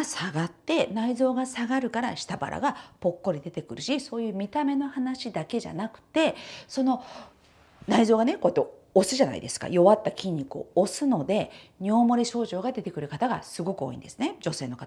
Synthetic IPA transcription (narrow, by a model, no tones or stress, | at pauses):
saɡat̪ːe̞naizo̞ːɡasaɡaɾɯ̟kaɾaɕi̥t̪aba̰ɾʔa̰ɡapo̞kːo̞ɾʲid̪e̞t̪e̞kɯ̟ɾɯ̟ɕiso̞ːjɯ̟ːmʲit̪ame̞no̞hanaɕid̪ake̞ʑa̰nakɯ̟̥t̪e̞so̞no̞ | naizo̞ːɡane̞ko̞ːit̪ːe | osɨʑana̰ḭd̪e̞sɨ̥ka̰jo̞βat̪ːakʲĩɲ̟ʲːikɯo̰ːsɨno̞d̪e̞ɲ̟ʲiomo̞ɾʲiɕo̞ːʑo̞ːɡad̪e̞t̪e̞kɯ̟ɾɯ̟kat̪aɡa̰sɨɡo̞kɯ̟o̞̰ːḭ̃nd̪e̞sɨned͡ʑo̞se̞ːno̞kat̪aa